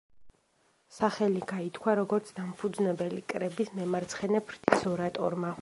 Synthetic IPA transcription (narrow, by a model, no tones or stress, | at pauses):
saχɛliɡait̪ʰkʰwaɾɔɡɔɾt̪sʰd̪ampʰud̪znɛbɛlikʼɾɛbismɛmaɾt̪sʰχɛnɛpʰɾt̪ʰisɔɾat̪ʼɔ̰ɾma